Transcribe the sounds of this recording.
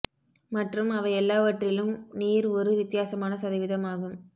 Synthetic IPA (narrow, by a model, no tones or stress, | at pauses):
mɐʈrɯmɐʋɐɪɛlːaːʋɐʈrɪlɯmniːɾɔɾɯʋɪt̪ːɪjaːsɐmaːnɐsɐðɐɪʋɪðɐmaːɣɯm